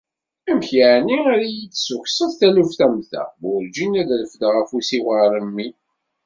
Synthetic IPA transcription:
æmçaʕniaɾajit͡sːsuçsəðθælufθæmθæ̰ʊɾd͡ʒinæðləfd̪ʁəfusiwəɾˤəmːi

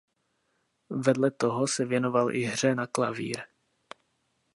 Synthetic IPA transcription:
vɛdlɛt̪oɦosɛvjɛno̞valʔɪɦr̝ɛnaklavḭːɾ

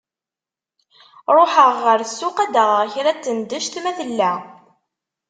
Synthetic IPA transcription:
ɾˤoħəʁːəɾsːʊqæd̪əʁəʁçɾæt͡s̪ːənd̪əʃt̪mæθəlːæ

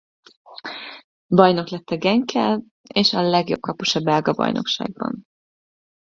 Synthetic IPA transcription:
bɒjno̞klɛt̪ːɛɡɛŋkʰɛl | eːʃɒlɛɡjo̞b̚kɒpoʃɒbːɛlɡɒbɒ̰jno̞̰kʃa̰ːɡ̚bɒ̰n

